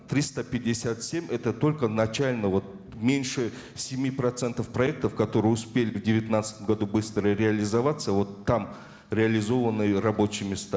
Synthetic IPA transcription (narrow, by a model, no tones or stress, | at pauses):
t̪ɾʲist̪əpʲɪdʲɪsʲat̪sʲemʲɛt̪ət̪o̞lʲkənɐt͡ɕalʲnəvo̞t̪̚ | mʲenʲʂɨ | sʲɪmʲipɾɐt̪sɛnt̪əfpɾɐɛk̚t̪əfkɐt̪o̞ɾɨjɪʊspʲelʲɪvdʲɪvʲɪt̪nat̪sɨ̥t̪əmɡɐd̪ubɨst̪ɾəɾʲɪɐlʲɪzɐvat̪səvo̞t̪ːam | ɾʲɪɐlʲɪzo̞vənːɨjərɐbo̞t͡ɕɪjmʲɪst̪a